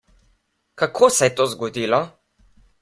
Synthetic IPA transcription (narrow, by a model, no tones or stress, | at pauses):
kakʰoːsɛjɛt̪oːzɡɔd̪iːlɔ